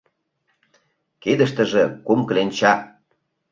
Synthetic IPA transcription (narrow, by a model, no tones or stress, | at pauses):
ked̪ə̆ʃt̪ə̆ʒĕkumklenʲt͡ɕɑ